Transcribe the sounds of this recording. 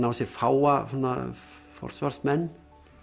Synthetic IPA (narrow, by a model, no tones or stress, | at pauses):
navasɛɾfaːwahunːa̰ | fɔ̰r̥svar̥smɛnː